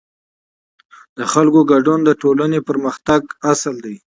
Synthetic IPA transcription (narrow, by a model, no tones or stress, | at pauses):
d̪̥əxalkoɡaɖund̪əʈolanepəɾməxt̪aɡasəld̪aj